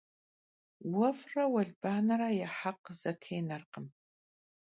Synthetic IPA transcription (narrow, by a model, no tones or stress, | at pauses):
wɐfrɐwɐɮbaːnɐɾajɛħaqz̥ɐtʰeːnɐrqəm